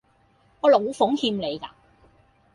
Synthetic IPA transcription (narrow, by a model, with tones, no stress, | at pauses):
ŋɔː˨˧lo˨˧wfʊ˨˥ŋhiː˧mle˨jka̰ː˧